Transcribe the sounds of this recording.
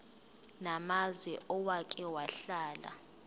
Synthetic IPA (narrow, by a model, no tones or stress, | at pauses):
namazwɛʔɔwakʼɛwaɬaːla̰